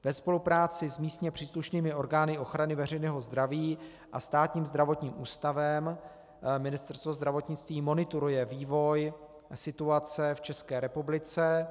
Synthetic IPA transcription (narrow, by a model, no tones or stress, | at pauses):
vɛspo̞lupɾaːt͡sɪzmiːst̪ɲɛpr̥iːsluʃniːmɪo̞ɾɡaːnɪo̞xɾanɪvɛr̝ɛjnɛːɦo̞zd̪ɾaviː | ʔast̪aːt̪ɲiːmzd̪ɾavo̞t̪ɲiːmʔuːst̪avɛm | mɪnɪst̪ɛɾst̪vo̞zd̪ɾavo̞t̪ɲɪt͡st̪viːmo̞nɪt̪uɾujɛviːvo̞j | sɪt̪uat͡sɛft͡ʃɛskɛːɾɛpublɪt͡sɛ